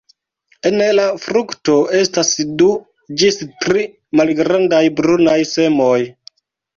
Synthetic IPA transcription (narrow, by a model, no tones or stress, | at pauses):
enlafɾukto̞e̞stasdu | d͡ʒistɾi | malɡɾandajbɾunajse̞mo̞j